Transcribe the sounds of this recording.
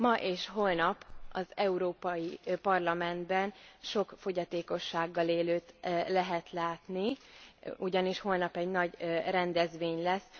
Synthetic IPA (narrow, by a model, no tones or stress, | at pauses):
mɒʔeːʃɦo̞lnɒpɒzɛuɾoːpɒjipɒrlɒmɛnd̪bɛnʃo̞kfo̞ɟɒt̪eːko̞ʃːaːɡːɒleːløːt̪lɛɦɛt̪laːt̪ni | uɟɒniʃho̞lnɒpɛɟnɒɟrɛnd̪ɛzʋeːɲlɛsː